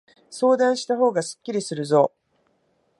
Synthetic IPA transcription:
so̞ːd̪ãɰ̃ɕi̥t̪aɦo̞ːɡasɨ̥kʲːiɾʲisɨɾɯ̟zo̞ː

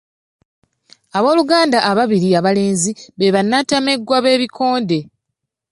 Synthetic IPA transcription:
aβo̞ːluɡaːndaʔːβaβiɾiaβale̞ːnziβe̞βanːatameɡwaβe̞ːβikʰo̞ːnde̞

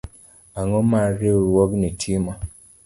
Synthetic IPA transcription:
aŋɔmaɾewɔɡnetʰimɔ

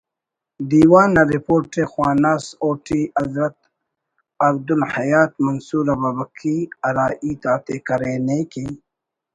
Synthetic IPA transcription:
d̪iːwaːnɐɾipoːɾʈexwaːnaːsoːʈiːɐzɾɐt̪̚ | ɐbd̪ulhɐjaːt̪mɐnsuːɾababɐkʰiɐɾaːʔiːt̪aːt̪eːkɐɾeːneːke

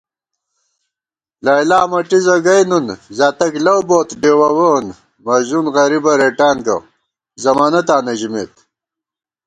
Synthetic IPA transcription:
laːjlaːmɐʈizɐɡɐjnunzaːt̪ɐklɐwboːt̪ɖeːwɐwoːn | mɐʑunɣɐɾibɐɾeʈaːnɡɐ̰ | zɐmaːnɐt̪aːnɐʑimḛːt̪

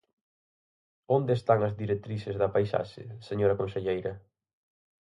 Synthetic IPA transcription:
ond̪eːst̪aŋɐzðiɾek̚t̪ɾisɪzðɐpajsa̰ʃɪ̰seɲoɾɐkõnseʎejɾɐ

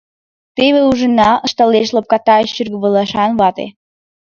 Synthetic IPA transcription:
t̪eβeuʒənɑəʃt̪ɑleʃlop̚kɑt̪ɑeɕːyrɡəβəlɑʃɑnβɑt̪ḛ

